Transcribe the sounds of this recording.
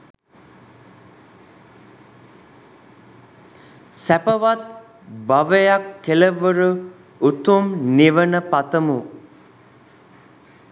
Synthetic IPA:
sæpəʋat̪̚ | baʋəjakːeləʋəɾu | ut̪umniʋənəpat̪əmu

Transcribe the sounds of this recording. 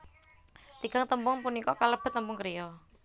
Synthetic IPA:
t̪iɡ̥aŋt̪əmpʊŋpunikɔkaləb̥ɛ̤t̪ːəmpʊŋkəɾijɔ

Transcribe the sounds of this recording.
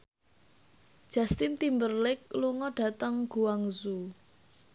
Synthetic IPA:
d̥ʒ̥a̤st̪int̪imbərlɪk̚luŋɔɖ̥ä̤t̪əŋɡ̥uwaŋzu

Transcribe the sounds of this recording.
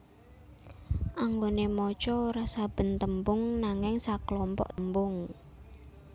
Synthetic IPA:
ʔaŋɡonemɔt͡ʃɔɾasab̥ə̤nt̪əmbʊŋnaŋɪŋsaklɔmpɔ̰ʔmbʊŋ

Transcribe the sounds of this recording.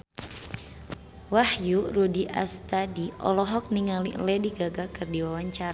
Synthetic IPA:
wahjuɾudiʔa̰st̪adiʔɔ̰lɔɦɔk̚niŋalḭʔlɛdiɡaɡakɨrdiwawaɲt͡ʃaɾa

